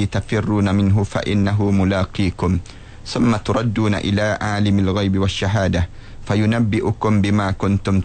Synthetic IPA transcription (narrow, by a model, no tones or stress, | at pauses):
iːt̪afɪrːuːnamɪnɦʊfa̰ʔɪ̰nːaɦʊmʊlaːqiːkʊm | θʊmːat̪ʊɾˤɑd̪ːuːna̰ʔɪ̰laːʕaːlɪmalɣajbɪwaʃːaɦaːd̪a | fajʊnabːɪʔʊkʊmbɪmaːkʊnt̪ʊm